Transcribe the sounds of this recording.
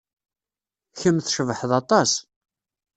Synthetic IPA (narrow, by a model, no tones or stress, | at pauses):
çəmθʃəvħðɑt̪ˤɑs